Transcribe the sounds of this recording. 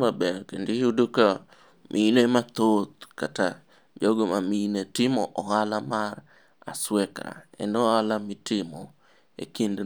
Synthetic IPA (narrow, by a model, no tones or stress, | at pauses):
mabɛɾkendijudoka | mʔilemat̪ot̪̚kata | d͡ʒoɡomaminetɪmɔʔɔɣalamaɾ | a̰swɛkɾa̰ɛ̰nɔalamɪtɪmɔ | ḛkind